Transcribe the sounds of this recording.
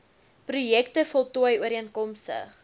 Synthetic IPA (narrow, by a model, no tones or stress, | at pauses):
prujɛk̚təfɔlˠtuəjuəɾiənkɔmstə̰χ